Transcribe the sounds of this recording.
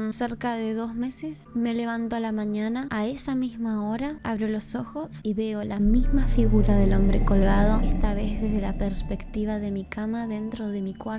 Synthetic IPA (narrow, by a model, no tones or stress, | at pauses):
nseɾkaðeðozme̞sesme̞le̞β̞ant̪oalamãɲanaʔaesamizmao̞ɾaaβɾolo̞so̞xo̞siβe̞olamizmafiɣuɾaðelo̞mbɾeko̞lɣað̞o̞est̪aβezðezðelapeɾspe̞kt̪iβ̞aðe̞mikamaðe̞nt̪ɾo̞ðe̞mikwaɾ